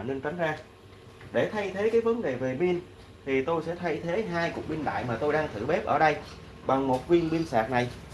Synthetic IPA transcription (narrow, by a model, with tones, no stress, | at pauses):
ne˧nt͡ɕa˨˦jŋ̟zaː˧ | ɗe˧˩t̪ʰa˧jt̪ʰe˨˦kaː˨˦jvə˨˦nɗe˨˩ve˨˩ɓi˧n | t̪ʰi˨˩t̪o˧jsɛ̰˧˥t̪ʰa˧jt̪ʰe˨˦ɦaː˧jku˨˩ək̚ɓi˧nɗa̰ː˧˨jmaː˨˩t̪o˧jɗaː˧ŋt̪ʰɨ̰˧˩ɓɛ˦˥p̚ʔəː˧˩ɗə˧j | ɓa˨˩ŋmo˨˩t̚vwi˧ənɓi˧nsa̰ː˨˩k̚na˨˩j